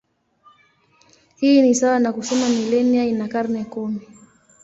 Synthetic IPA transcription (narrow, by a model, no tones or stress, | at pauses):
hiːnisawanakusɔmamilɛniainakaɾnɛkɔni